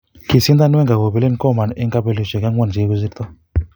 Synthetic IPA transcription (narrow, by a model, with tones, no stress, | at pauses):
ki˨si˦nd̪a˦n˦ɛ˦ŋɡa˨ɡo˨bi˨le˦n˨kɔ˦˨ma˨ne˦ŋka˦pe˦lu˦ʃe˨ka˦wɔ˦n˨d͡ʒi˨˦ku˦zi˦ɾt̪ɔ˦